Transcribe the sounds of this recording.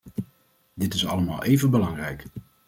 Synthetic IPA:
dɪtɪsɑ̰ləma̰ːlˠʔejvənbəlɑŋrɛjk

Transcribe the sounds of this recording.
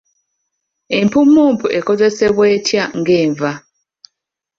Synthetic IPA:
empumːumpuʔekozeseβweːtʰjaŋɡeːɱva

